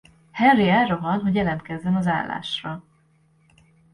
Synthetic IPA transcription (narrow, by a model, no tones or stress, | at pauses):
hɛriɛroɦɒnɦo̞ɟjɛlɛnt̪kɛzːɛnɒza̰ːlːa̰ːʃrɒ